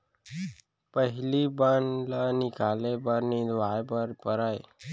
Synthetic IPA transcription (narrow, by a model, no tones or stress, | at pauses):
pəɦɪlibənlanɪkaːlebəɾnid̪ʋaːebəɾpəɾaːe